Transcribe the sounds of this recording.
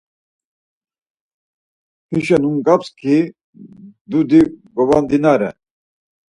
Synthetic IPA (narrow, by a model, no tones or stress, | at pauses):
hʰiʃɛnumkʼapskʰi | d̪ud̪iɡɔvand̪inaɾɛ̰